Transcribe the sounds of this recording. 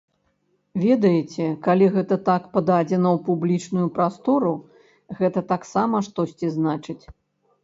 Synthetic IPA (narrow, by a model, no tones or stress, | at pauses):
vʲɛd̪ɐjɛt͡sʲɛkalʲiɣɛt̪ɐt̪akpɐd̪ad͡zʲɛnɐwpublʲit͡ʂnujupɾast̪ɔɾu | ɣɛt̪ɐt̪aksamɐʂt̪ɔsʲt͡sʲiznat͡ʂɨt͡sʲ